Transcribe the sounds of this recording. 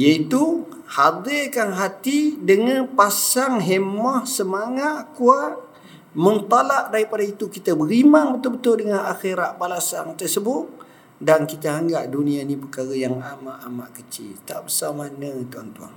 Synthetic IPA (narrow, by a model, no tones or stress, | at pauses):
jait̪u | had̪ɪkanɦat̪idəŋanpasaŋɦemɔhsəmaŋaʔ̪kuat̪̚ | mənt̪alaʔdaɾipadait̪ukit̪abəɾimaŋbət̪ʊlbət̪ʊldəŋanaxeɾaʔbalasa̰nt̪ərsəbʊt̪̚ | dankit̪aaŋɡaʔdunianipərkaɾajaŋamaʔamaʔkət͡ʃɪ̰lt̪aʔbəsamanət̪ua̰nt̪ua̰ŋ